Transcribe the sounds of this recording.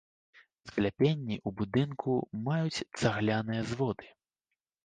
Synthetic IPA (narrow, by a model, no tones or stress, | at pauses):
sklʲapʲenʲːiʔubud̪ɨnkumajut͡sʲt̪saɣlʲanɨjɐzvɔd̪ɨ̥